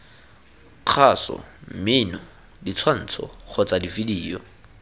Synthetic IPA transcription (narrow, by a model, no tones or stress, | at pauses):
q͡χʰasɔ̰m̩mɪnɔ | dit͡sʰwan̩ːt͡sʰɔ̰k͡xɔt͡sadividiːjɔ